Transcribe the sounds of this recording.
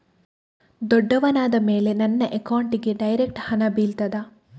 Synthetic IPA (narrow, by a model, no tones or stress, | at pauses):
d̪ɔɖːɐʋɐnaːd̪ɐmeːle̞nɐnːɐʔekɐwɳʈiɡe̞ɖɐjɾek̚ʈhɐnɐbiːlt̪ɐd̪ɐ